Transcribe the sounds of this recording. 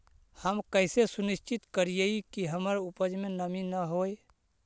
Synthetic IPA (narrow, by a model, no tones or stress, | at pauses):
həmkəɪsesunist͡ʃit̪kəɾijeikiɦəməɾupəd͡ʒmenəminəɦoj